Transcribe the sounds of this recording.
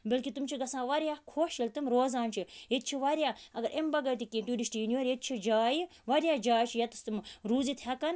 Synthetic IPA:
bɐlkit̪umt͡ʃʰiɡɐsãːʋɐɾʲjaːkʰoːʃɐlt̪ɨmɾoːzaːnt͡ʃʰiɦet̪̚t͡ʃʰiʋaɾjaːɐɡɐɾʔembɐɡɐjt̪ikiːmt̪uːɖiʃʈijiniʋɐɾjet̪̚t͡ʃʰid͡ʒaːjiʋɐɾʲjaːd͡ʒaːjt͡ʃʰijɐt̪ɨst̪ɨmɾuːzit̪ʰhɐkɐn

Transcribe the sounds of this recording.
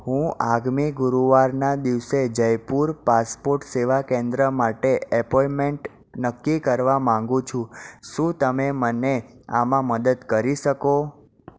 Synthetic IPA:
hũaɡmiɡʊɾuʋaɾnad̪iʋsed͡ʒəjpuɾpaspoɾʈseʋakẽnd̪ɾəmaʈeɛpɔjmeɳʈ | nəkːikəɾʋamãŋɡũt͡ʃʰũʃũt̪əmemənea̰mãməd̪əd̪kəɾiʃəko

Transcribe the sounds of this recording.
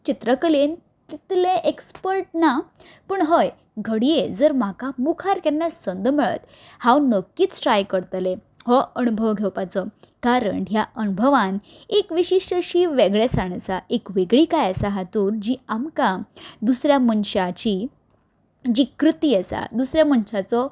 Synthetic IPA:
t͡ɕit̪ɾəkəlen | t̪it̪lẽʔekspəɾʈnapəɳɦəj | ɡʱəɽijed͡zəɾmakamukʰaɾkɛnjasənd̪ʱməɭə̰t̪ | hãwnəkːiːt͡ssʈɾajkəɾt̪le | hɔənubʱəʋɡʱewpat͡sɔkaɾə̰ɳɦjaʔənubʱəʋan | ekʋiɕiʂʈəɕiːʋeɡɭesaɽ̃saʔekʋeɡɭiːkajəsaɦat̪uːɾd͡ʑiamkad̪usɾjamənɕat͡ɕiː | d͡ʑiːkɾut̪iːəsa̰d̪usɾjamənɕat͡sɔ

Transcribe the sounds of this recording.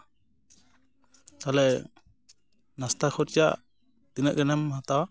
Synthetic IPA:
t̪alɛ | nast̪akʰɔɾt͡ʃaʔ | t̪inəʔɡɛnɛmhat̪awa

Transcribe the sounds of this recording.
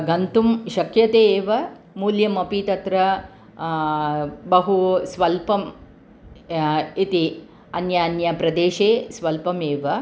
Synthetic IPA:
ɡɐnt̪umʃɐkjɐt̪eːʋɐ | muːljɐmɐpit̪ɐt̪ɾɐ | bɐɦusʋɐlpɐm | it̪i | ɐnjaːnjɐpɾɐd̪eːʃeːsʋɐlpɐmeːʋɐ

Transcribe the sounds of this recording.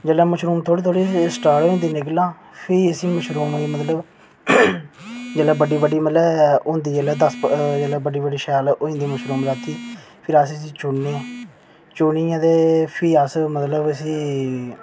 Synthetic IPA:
d͡ʒəːlɛ̃ːməʃɾuːmt̪ʰoːɽiːt̪ʰoːɽiːsʈaːʈõːnd̪iːnɪklãː | pʰɪəsiːməʃɾuːmimət̪ləb | d͡ʒɛːlɛ̃ːbəɖiːbəɖiːmət̪ləbʊ̃ːnd̪iːd͡ʒəlɛːd̪əsd͡ʒɛːlɛ̃ːbəɖiːbəɖiːʃaːlːʔoːĩnd̪iːməʃɾuːmɾaːt̪iː | pʰɪɾassĩːt͡ʃʊnːẽː | t͡ʃʊniːãːd̪eːpʰiːasmət̪ləbəsĩː

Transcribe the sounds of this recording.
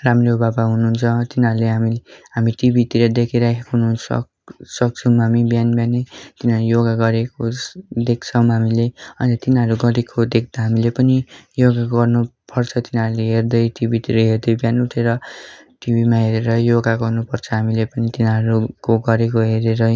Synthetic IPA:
ramrobabaɦunuɦunt͡sʰʌt̪inʌɾuleɦamiɦamiʈibit̪iɾʌd̪ekʰeɾakʰekoɦununsʌ̰k | sʌk̚t͡sʰʌ̃ɦamibjanbjanet̪inɦʌɾujoɡaɡʌɾekod̪ek̚ʰt͡sʰʌw̃ɦamileʌnnʌt̪inɦʌɾuɡʌɾekʰod̪ek̚ʰd̪ʌɦamilepʌnijoɡaɡʌrnupʌrt͡sʰʌt̪inʌɾuleɦerd̪ʌjʈibit̪iɾʌɦerd̪ʌjbjanuʈʰeɾʌ | ʈibimãɦeɾeɾʌjoɡaɡʌrnupʌrt͡sʰʌɦamilepʌnit̪inʌɾukoɡʌɾek̬oɦeɾeɾʌ

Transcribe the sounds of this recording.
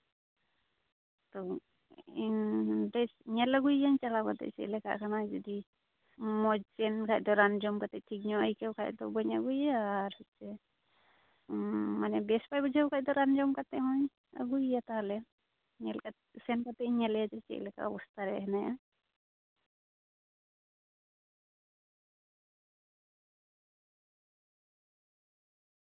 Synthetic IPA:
t̪ɔ | indɛɲɛlaɡujːaɲt͡ʃalakat̪ɛ̰ʔt͡ʃɛ̰ʔlɛka̰ʔkanad͡ʒɔd̪i | mɔd͡ʒɛnkʰaʔd̪ɔɾand͡ʒɔmkat̪ɛʈʰik̚ɲɔʔəjkɛwkʰaʔd̪ɔbɔɲaɡujaɾhɔt͡ʃɛ | manɛbɛspajbɔd͡ʒʱawkʰac̚d̪ɔɾand͡ʒɔmkat̪ɛɦɔɲ | a̰ɡujat̪alɛ | ɲɛlkasɛnkat̪ɛɲɛljad͡ʒɛt͡ʃɛ̰ʔlɛka̰ʔɔbɔst̪aɾɛʔɦɛnaʔa

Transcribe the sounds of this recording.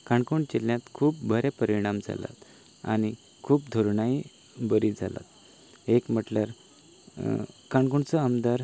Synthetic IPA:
kaɳkuɳt͡ɕeljãt̪kʰuːp̚bʱəɾepəɾiɽ̃amd͡zʱa̰la̰t̪ | a̰ni | kʰuːpd̪ʱoɾɳai | bəɾid͡zʱa̰la̰t̪̚ | ekm̤əʈljaɾ | kaɳkuɳt͡səəmd̪aɾ

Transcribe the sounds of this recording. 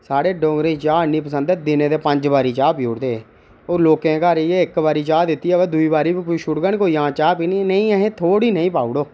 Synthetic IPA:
saːɽeːɖɔ̃ːɡɾẽːt͡ʃaːniːpəsə̃nd̪ɛːd̪ɪnẽːd̪eːpəɲd͡ʒbaːɾiːt͡ʃaːpijoːɽd̪eː | oːɾloːkẽːkaːɾjeːɪkbaːɾiːt͡ʃaːd̪ɪt̪ːiːɛʋɛd̪ʊiːbaːɾiːbpːʃʊʈɡəɳkoːiːɦãːt͡ʃaːpiːniːnəĩːɛɦẽːt̪ʰoːɽiːnəĩːpaːuɽoː

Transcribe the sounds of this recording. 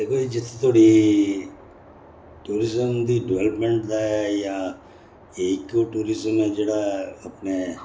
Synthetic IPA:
d̪eːkʰoid͡ʒɪt̪ʰːet̪ʰoːɽi | ʈuːɾɪzəmd̪iɖɪʋeləpmẽɳʈd̪aja | eːkoʈuːɾɪzəmɦɛd͡ʒeːɽaɐpne

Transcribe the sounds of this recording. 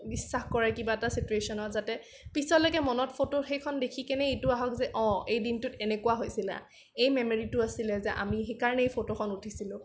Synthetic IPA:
bisːaxkɔɹɛkibaɛtasituesɔnɔtzatɛ | pisɔlɔjkɛmɔnɔtpʰotoxejkʰɔndekʰikɛnɛejtʊaɦɔkzɛʔɔ̃ejdintʊtɛnɛkuwaɦojsila̰ | ejmɛmoɹitʊasilɛzɛʔa̰miɦejkaɹnɛejpʰotokʰɔnutʰisilʊ̃

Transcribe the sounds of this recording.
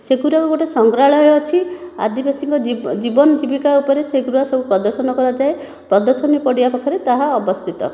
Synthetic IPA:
seɡuɾakuɡoʈesɔŋɡɾaɭɔjɔːt͡ʃʰia̰d̪ibesiŋkɔd͡ʒibɔnɔd͡ʒibikaupɔɾeseɡuɾuasɔbupɾɔd̪ɔɾsɔnɔkɔɾad͡ʒae | pɾɔd̪ɔɾsɔnjipɔɽiapɔkʰːaɾet̪aɦaɔbɔst̪ʰit̪ɔ̰

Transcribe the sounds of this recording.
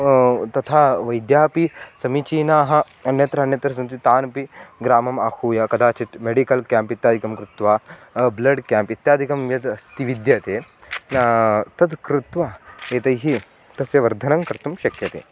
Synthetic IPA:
t̪ɐt̪ʰaːʋɐjd̪jaːpisɐmit͡ʃiːnaːɦɐ̆ | ɐnjɐt̪ɾɐɐnjɐt̪ɾɐs̬ɐnt̪it̪aːnpiɡɾaːmɐmakʰuːjɐkɐd̪aːt͡ʃit̪meɖikɐlkaːmpit̪jaːd̪ʱikɐmkɾut̪ʋaːblɐɖkjaːmpit̪jaːd̪ʱikɐmjɐd̪ɐst̪iʋid̪jɐt̪eː | t̪ɐd̪kɾut̪ʋaeːt̪ɐjɦi | t̪ɐsjɐʋɐɾd̪ʱɐnɐŋkɐɾt̪umʃɐkjɐt̪ḛː

